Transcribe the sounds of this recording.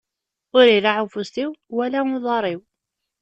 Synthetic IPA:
ʊɾiɾaʕʊfust̪iwwælæʊðˤɑɾˤiw

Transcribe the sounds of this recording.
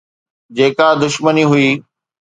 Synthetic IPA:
d͡ʑeːkad̪ʊʃməniɦʊiː

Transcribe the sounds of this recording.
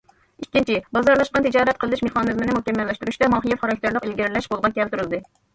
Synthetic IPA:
ikʲːint͡ʃʰibɑzɑɾlˠɑʃqɑnt̪ʰɨd͡ʒɑːɾɛt̪̚qʰəlˠɨd̪ɨʃmeχɑːnɨzmɪnɪmukʲɛmːɛlːɛʃt̪uɾuʃt̪ɛmɑɦijɛfχɑɾɑk̚ʲt̪ɪɾlˠəqelɡʲiɾlɛʃqolˠʁɑkʲʰɛlt̪uɾɨlˠɨd̪ɨ

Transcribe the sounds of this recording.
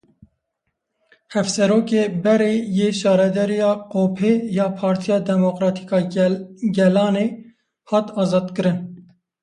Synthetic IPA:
hɛfsɛɾoːkeːbɛɾeːjeːʃɑːɾɛd̪ɛɾijɑːqoːpʰeːjɑːpʰɑːɾt̪ʰijɑːd̪ɛmokɾɑːt̪ʰi̥kɑːɡɛlɑːneː | hɑːt̪ɑːzɑːd̪kɨɾɨn

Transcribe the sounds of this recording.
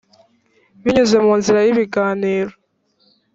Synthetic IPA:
βiɲuze̞muːnziɾajiβiɡaːniːɾo

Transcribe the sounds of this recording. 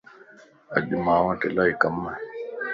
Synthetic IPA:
ə̰ʄmãːʋãːʈelaːiːkəmə

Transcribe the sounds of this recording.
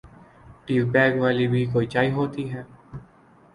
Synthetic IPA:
ʈiːʋbɛːɡʋaːlibʱiːkoːit͡ʃaːiɦoːt̪iɦɛː

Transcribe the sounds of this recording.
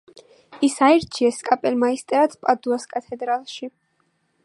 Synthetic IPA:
isaɛɾt͡ʃʰiɛskʼapʼɛlmaist̪ʼɛɾat̪sʰpʼad̪uaskʼat̪ʰɛd̪ɾalˠʃi

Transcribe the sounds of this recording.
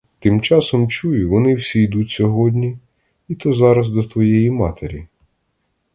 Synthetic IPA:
t̪ɪmt͡ʃɑsɔmt͡ʃujʊʋɔnɪwsʲijd̪utʲsʲɔɦɔdʲnʲi | it̪ɔzɑɾɐzd̪ɔt̪ʋɔjɛjimɑt̪eɾʲi

